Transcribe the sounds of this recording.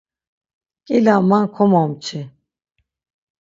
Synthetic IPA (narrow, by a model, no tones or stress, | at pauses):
kʼilamankʰɔmɔmt͡ʃʰi